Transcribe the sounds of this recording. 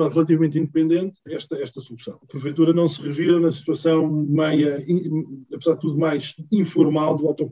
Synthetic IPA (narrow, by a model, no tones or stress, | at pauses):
aʁɨlˠɐt̪̬ivɐmẽnt̪ĩnd̪̚pẽnd̪ẽnt̪ɛʃt̪ɐɛʃt̪ɐsulˠusɐ̰̃w̃ɐpɾɨvejt̪uɾɐnɐ̃w̃sɨʁɨviɾɐnɐsi̥t̪wɐsɐ̃w̃mɐjɐĩɐpɨzaɾð̚t̪uðumajʃĩfuɾmalˠd̪uawt̪oɾ